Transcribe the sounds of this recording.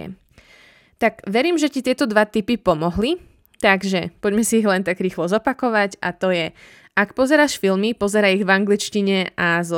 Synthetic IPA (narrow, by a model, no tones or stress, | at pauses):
t̪aɡʋɛɾiːmʒɛcit̪ɪɛt̪ɔd̪ʋat̪ipipɔmɔɦli | t̪aɡʒɛpɔɟmɛsiːɣlɛnt̪aɡɾiːxlɔzɔpakɔʋaɟa̰t̪ɔjɛ | ʔakpɔzɛɾaːʃfilmipɔzɛɾaːiɣvaŋɡlit͡ʃciɲɛʔaz